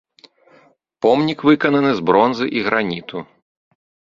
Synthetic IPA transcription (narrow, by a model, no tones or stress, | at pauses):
pɔmnʲikvɨkɐnɐnɨzbɾɔnzɨʔiɣɾʔanʲit̪u